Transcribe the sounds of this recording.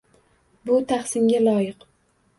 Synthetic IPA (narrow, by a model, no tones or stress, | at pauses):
bʊt̪ʰaχsɪŋɡʲalˠɒjɪq